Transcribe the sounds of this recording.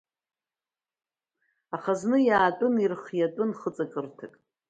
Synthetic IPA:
aχaznɨjaːtʼʊnirχjatʼɨnχət͡sʼakʼɨrtʰakʼ

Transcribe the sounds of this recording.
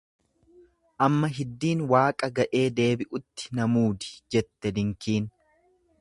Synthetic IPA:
ʔɐmːɐɦɪd̪ːiːnwaːkʼɐɡɐʔe̞ːd̪e̞ːbɪʔʊt̪ːɪ̥nɐmuːd̪ɪ̥d͡ʒɛt̪ːɛd̪ɪŋkiːn

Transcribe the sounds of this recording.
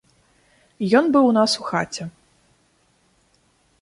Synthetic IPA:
jɔnbɨwnasuxat͡sʲɛ

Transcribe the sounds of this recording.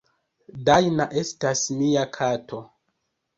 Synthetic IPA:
dajnaʔe̞stasmiakʰato̞

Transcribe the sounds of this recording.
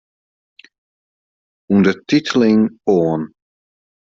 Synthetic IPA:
undətitʰəlɪŋoən

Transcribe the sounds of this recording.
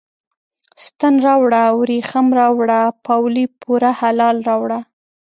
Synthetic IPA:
st̪ənɾɑwɽawɾixamɾɑwɽapawlipʰuɾahalɑlɾɑwɽa

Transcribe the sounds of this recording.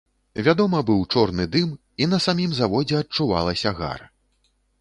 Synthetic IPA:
vʲad̪ɔmɐbɨwt͡ʂɔrnɨd̪ɨm | in̪ɐsamʲimzavɔd͡zʲɛɐt͡ʂuva̰lˠɐsʲɐɣa̰r

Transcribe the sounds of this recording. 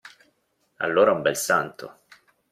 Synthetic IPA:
a̰lːoːɾaumbɛlsant̪ʰo̰

